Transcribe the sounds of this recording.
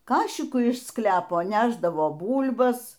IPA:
ˈkɑːʃʲɪkʊ ɪʃ ˈsklʲæːpoː ˈnʲæːʒdɐʋoː ˈbuːlʲbɐs

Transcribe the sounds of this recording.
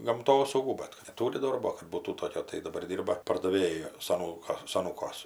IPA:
ɡɐmˈtoːsɐʊɡuː ˈbɐt kɐt nʲɛˈtuːrʲɪ ˈdoːrboː kɐt ˈbuːtuː ˈtoːkʲoː tɐɪ dɐˈbɐr ˈdʲiːrbɐ pɐrdɐˈʋʲeːjʊ sɐˈnuːkɐ sɐˈnuːkuɔs

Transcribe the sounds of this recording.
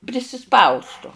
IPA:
pʲrʲɪsʲɪˈspɐʊstʊ

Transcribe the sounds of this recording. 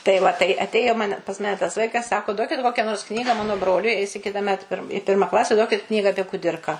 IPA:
tɐɪ ˈʋɐ tɐɪ ɐtʲˈeːjoː ˈmɑːnʲɛ pɐs ˈmɑːnʲɛ tɐs ˈʋɐɪkɐs ˈsɑːkoː ˈduɔkʲɪt ˈkoːkʲɛ noːrs ˈknʲiːɡɐ ˈmɑːnoː ˈbroːlʲʊɪ ɛɪs ɪ kʲɪtɐˈmʲɛt pʲɪr ˈpʲɪrmɐ ˈklˠɑːsʲɛ ˈduɔkʲɪt ˈknʲiːɡɐ ɐpʲiɛ kʊˈdʲɪrkɑː

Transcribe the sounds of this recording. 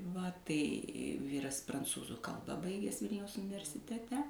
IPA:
ʋɐ tɐɪ ˈʋʲiːrɐs prɐnˈt͡suːzuː ˈkɐlˠbɐ ˈbɐɪɡʲɛs ˈʋʲɪlʲnʲɛʊs ʊnʲɪʋʲɛrʲsʲɪtʲɛˈtʲɛ

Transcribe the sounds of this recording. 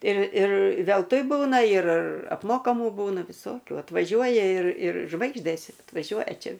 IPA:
ɪr ɪr ʋʲɛlˠˈtʊɪ ˈbuːnɐ ɪr ɐpˈmoːkɐmuː ˈbuːnɐ ʋʲɪˈsoːkʲuː ɐtʋɐˈʒʲuɔjɛ ɪr ɪr ˈʒʋɐɪɡʒʲdʲeːs ɐtʋɐˈʒʲuɔjɛ ˈt͡ʃʲɛ

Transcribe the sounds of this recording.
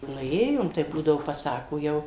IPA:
ˈnʊ ˈeːjoːm tɐɪ ˈbuːdɐʋoː pɐˈsɑːkoː ˈjɛʊ

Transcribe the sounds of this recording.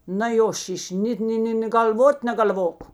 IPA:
nɐ ˈjoː ˈʃʲɪʃʲ ˈnʲeːt nʲɪ ˈnʲɪ nʲeː ɡɐlʲˈʋoːt nʲɛɡɐlʲˈʋoːk

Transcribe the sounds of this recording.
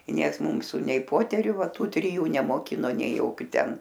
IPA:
ɪ ˈnʲiɛks ˈmuːsʊ nʲɛɪ ˈpoːtʲɛrʲʊ ˈʋɐ ˈtuː tʲrʲɪˈjuː nʲɛmoːˈkʲɪnoː nʲɛɪ ˈjoːkʲʊ tʲɛn

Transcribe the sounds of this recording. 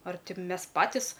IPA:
ɐr ˈtʲɪ ˈmʲɛs ˈpɑːtʲɪs

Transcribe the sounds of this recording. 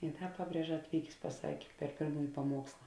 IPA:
ɪ ˈdɐ ˈpɑːˌbʲrʲiɛʒɐ ɐtʲˈʋʲiːkʲeːs pɐˈsɑːkʲeː pʲɛr ˈpʲeːrmuːjɪ pɐˈmuɔkslˠɐ

